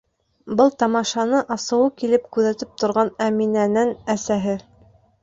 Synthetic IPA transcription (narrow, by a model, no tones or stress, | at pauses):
bɤlˠt̪ɑmɑʃɑnɤʔɑsɤ̆wɤkilɘp̚kʉðæt̪ɘp̚t̪ŏɾʁɑnæminænænæsæɦɘ